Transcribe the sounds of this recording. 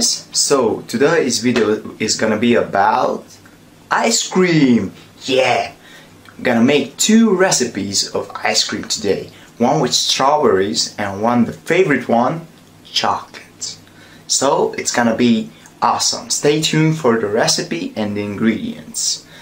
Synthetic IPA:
z̥soʊtʰɨdeɪɪzvɪdoʊɪzɡʌnɨbiəbaʊt | ʔaɪskɹĩm | jæ | wɡʌnəmeɪk̚tʰʉɹɛsɨpizʌva̰ɪskɹĩmtʰɨdeɪ | wʌ̃nwɨt͡ʃtʰɹɑvəɹizɨ̃nwʌ̃nðəfeɪvəɹɨt̚wʌ̃n | t͡ʃʰɑklt | soʊʔɨtsɡ̥ʌnɨbi | ʔɔsə̰̃msteɪtʰʉ̃nfə˞ðɨɹɛsɨpiʔɨ̃nɪ̃nɡɹiɾḭɨ̰̃ns

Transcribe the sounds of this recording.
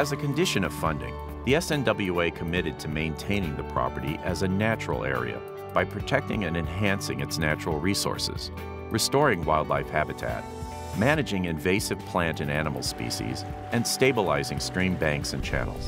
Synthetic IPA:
ɨzɨkʰɨ̃ndɪʃɨ̃nʌv̥fʌ̃ndɪ̰̃ŋ | ðiɛsɛ̃ndʌbl̩ˠjueɪkʰəmɪɾɨd̚tʰɨmẽɪ̃ntʰẽɪ̃nɪ̃ŋðɨpʰɹ̥ɑ̰pə˞ɾḭʔɨzɨnæt͡ʃɹl̩ˠɛ̰ɹḭɨ̰ | b̥aɪpʰɹ̥ɨtʰɛk̚tɪ̰̃ŋɨ̃nɨ̃nɦæ̃nsɪ̰̃ŋɨtsnæt͡ʃɹl̩ˠɹisɔ̰ɹsɨ̰z̥ | ɹɨstɔɹɪ̃ŋwaɪlˠdˡlaɪfhæbɨtʰæ̰t̚ | mæñɨd͡ʒɪ̃ŋɨ̃ɱveɪsɨv̥pʰl̥æ̃ntɨ̃nænəml̩ˠspḭʃḭz | ɨ̃nsteɪbəlaɪzɪ̃ŋstɹ̥ĩmbæ̃ŋksɨ̃nt͡ʃʰæ̰nl̩ˠz̥

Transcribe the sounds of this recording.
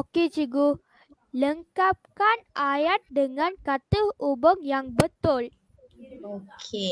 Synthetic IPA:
oked͡ʒiɡu | ləŋkap̚kanʔajat̪̚dəŋankat̪əhubəŋjaŋbət̪ol | oke

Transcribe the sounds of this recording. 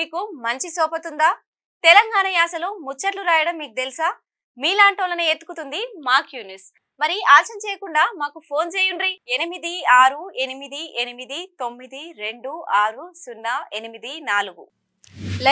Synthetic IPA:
miːkumɐɲt͡ʃisɔːpɐt̪und̪aː | t̪ɛlɐŋɡaːɳɐjaːsɐloːmut͡ʃːɐʈluɾaːjɐɽɐmːiːkut̪elisaː | miːlaːɳʈoːlɐneːet̪ːu̥kut̪und̪imaːkjuːnis | mɐɾiaːt͡ʃɐmt͡ʃɛːjɐkuɳɖaːmaːkupʰo̞ːnt͡ʃeːjuɳɖɾienimid̪iaːɾue̞nimid̪iʔenimid̪it̪o̞mːid̪iɾe̞ɳɖuaːɾusunːɐenimid̪inaːluɡu | l

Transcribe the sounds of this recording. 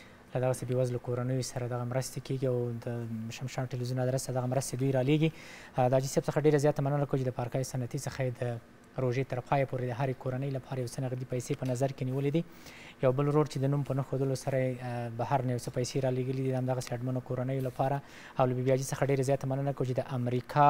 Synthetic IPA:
lad̪aɣasebewazlakoɾanəjosaɾad̪aɣamɾəst̪ekeɡiawd̪əʃamʃɑnʈilwizjunad̪ɾast̪ad̪aɣamɾəst̪ed̪ujɾɑleɡid̪əɑd͡ʒiseb̚səxaɖeɾazjɑt̪amanənakəwt͡ʃed̪əpɑɾkɑjosanat̪isəxajed̪ə | ɾoʒet̪əɾpʰɑjapoɾed̪əɦaɾekʰoɾanəjlapʰɑɾajawt͡sənaɣd̪ipajsepənazaɾkeniwəlid̪i | jawbəlɾoɽt͡ʃed̪ənumpənaxod̪əlosaɾajebahaɾnajawt͡səpajseɾɑleɡəlid̪iamd̪aɣaseaɖmanokoɾanəjolapʰɑɾa | awlabibijɑd͡ʒisəxaɖeɾazjɑt̪amanənakəwt͡ʃed̪əʔamɾikʰɑ

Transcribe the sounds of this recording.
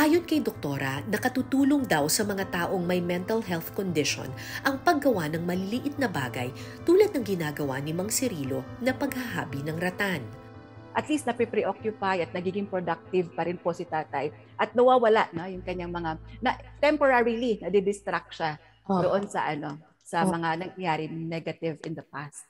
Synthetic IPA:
ʔaːjonkɐjd̪ok̚t̪o̞ɾɐnɐkɐt̪uːt̪uːloŋd̪awsɐmɐŋat̪aːʔo̞ŋmɐjmɛnt̪ɐlɦɛlθkond̪ɪʃo̰n | ʔɐŋpɐɡɐwanɐŋmɐlɪliʔɪt̪̚nɐbaːɡɐ̰jt̪uːlɐd̪̚nɐŋɡɪnaːɡɐwa̰nɪmɐŋsɪɾiːlo̞nɐpɐɡhaɦaːbinɐŋɾɐt̪an | ʔɐt̪list̪nɐpipɾiʔokjʊpajʔɐt̪̚nɐɡiːɡɪŋpɾod̪ak̚t̪ɪvpɐɾɪnposɪt̪aːt̪aj | ʔɐt̪̚nɐwaːwɐlaʔno̞jʊŋkɐɲaŋmɐŋanɐʔt̪ɛmpoɾaɹilinɐd̪ɪd̪ɪst̪ɾak̚ʃa | dd̪oʔonsɐ̰ʔɐno̞ | sɐmɐŋanɐŋjaːɾɪnɛɡɐt̪ɪvɪnd̪ɐpast̪̚

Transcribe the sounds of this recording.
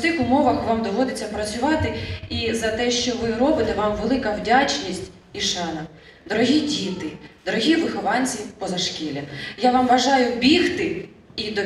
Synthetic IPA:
sɪxʊmɔʋɐxʋɑmd̪ɔʋɔd̪ɪt͡sʲːɐpɾɐt͡sʲʊʋɑt̪ɪizɐt̪ɛʃt͡ʃɔʋɪɾɔbɪt̪ɛʋɑmʋelˠɪkɐwdʲat͡ʃnʲisʲtʲ | iʃɑnɐ | d̪ɔɾɔɦʲidʲit̪ɪd̪̥ɔɾɔɦʲiʋɪxɔʋɑnʲt͡sʲipɔzɐʃkʲilʲɐjaʋɑmʋɐʒɑjʊbʲixt̪ɪ | id̪ɔ

